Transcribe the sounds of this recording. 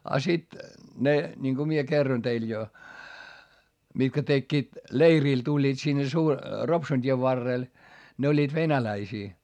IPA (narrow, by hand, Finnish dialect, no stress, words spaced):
ɑ sit ne niŋko mie kerːon teil jo mitkæ tekːiːt leiriˑl tulʲːiːt sinːe su ropsun tʲieʋ ʋɑrːeˑl ne olʲːiːt ʋenælæisiː